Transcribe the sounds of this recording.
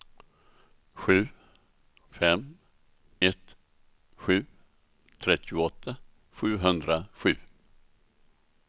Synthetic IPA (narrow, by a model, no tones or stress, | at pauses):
ɧʉ̟ː | fɛm | ɛt̪ː | ɧʉ̟ː | t̪ʰɾɛt̪ʰːɪʊɔt̪ʰːa | ɧʉ̟ːɦɵnd̪ɾaɧʉ̟̰ː